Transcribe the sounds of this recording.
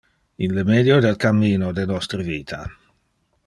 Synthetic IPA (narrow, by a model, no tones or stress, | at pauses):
inləmed̪jod̪elkamːiːnod̪enɔst̪ɾəviːt̪ʰa